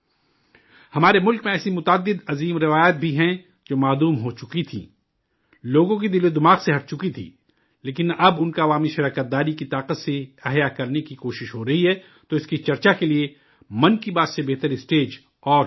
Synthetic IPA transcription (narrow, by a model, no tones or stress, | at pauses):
hɐmaːɾemʊlkmẽɛːsimʊt̪aːd̪ːɪd̪ɐziːmɾɪʋaːjaːt̪̚bʱiɦɛ̃ | d͡ʒoːmaːluːmɦot͡ʃʊkit̪ʰḭ̃ː | loːɡõk̬id̪ɪlod̪ɪmaːqseɦɐʈ̚t͡ʃʊkit̪ʰḭː | leːkɪnʔɐbʊnkaɐʋaːmiʃɐɾaːkət̪̚d̪aːɾikit̪aːqət̪seɛɦjakɐɾnekikoːʃɪʃɦoɾɐɦiɦɛː | t̪oɪskit͡ʃɐɾt͡ʃakelie | mɐnkibaːt̪sebeɦt̪əɾɪsʈeːd͡ʒ | ɔː